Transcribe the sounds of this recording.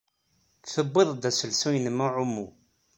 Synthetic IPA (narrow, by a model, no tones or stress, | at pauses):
θəbːɪðˤd̪æsəlsujnəmuʕʊmːu